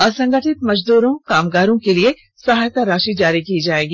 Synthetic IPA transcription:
ɐsɐ̃ŋɡəʈʰɪt̪mɐd͡ʒd̪uːɾõkaːmɡaːɾõkelie | sɐɦaːjt̪aɾaːʃid͡ʒaːɾikiːd͡ʒaːeːɡiː

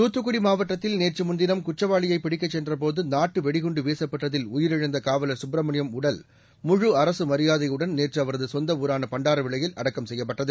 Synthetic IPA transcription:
t̪uːt̪ːɯkːʊɽimaːʋɐʈːɐt̪ːɪlneːrt͡ʃɯmʊnd̪ɪnɐmkʊt͡ʃːɐʋaːɭɪjɐɪpɪɽɪkːɐt͡ʃːɛndrɐp̬oːðɯnaːʈːɯʋɛɽɪɣɔɳɖɯʋeːsɐpːɐʈːɐðɪlʊjɪɾɪɻɐnd̪ɐkaːʋɐlɐsʊbɾɐmɐɳɪjɐmʊɽɐl | mʊɻɯɐɾɐsɯmɐɾɪjaːðɐɪjɯɽɐnneːrt͡ʃɯɐʋɐɾɐðɯsɔnd̪ɐʋuːɾaːnɐpɐɳɖaːɾɐʋɪɭɐjɪlɐ̰ɽɐkːɐmsɛjːɐp̬ːɐʈːɐðɯ

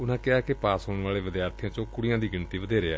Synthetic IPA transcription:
ʊnãːkɪaːkɪpaːsɦoːɳʋaːleːʋɪd̪jaːɾt̪ʰɪjãːt͡ʃõːkʊɽɪjãːd̪iːɡɪnt̪iːʋəd̪eːɾeːɛː

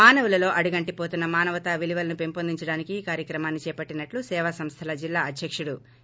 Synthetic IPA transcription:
maːnɐʋulɐlo̞ːʔɐɽuɡɐɳʈipo̞ːt̪unːɐmaːnɐʋɐt̪ɐʋiliʋɐlɐnupe̞mpond̪iɲt͡ʃɐɽaːnikiːkaːɾjɐkɾɐmaːnːit͡ʃɛːpɐʈːinɐʈlusɛːʋasɐmst̪ʰɐlɐd͡ʒilːaːɐd̪ʱjɐkʂuɽu

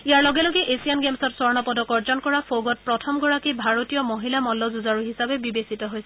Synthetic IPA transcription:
ijaɹlɔɡɛlɔɡɛʔesianɡemsɔtsɔɹnɔpɔdɔkɔɹzɔnkɔɹafʰoɡɔt̚pɹɔtʰɔmɡɔɹakibʱaɹotijɔmoɦilamɔlːɔzuzaɹuɦisabɛbibesitɔɦojsɛ

